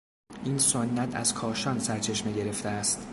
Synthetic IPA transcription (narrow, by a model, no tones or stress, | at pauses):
ʔiːnsonːæt̪ʰæ̰z̥kʰɒːʃɒːnsæɾt͡ʃʰe̞ʃmeɟe̞ɾe̞ft̪eæst̪